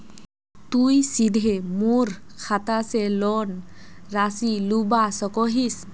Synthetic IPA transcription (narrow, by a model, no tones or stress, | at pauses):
t̪ujsidʱemoɾ | kʰat̪asɛlɔn | ɾasilubasɔkɔɦis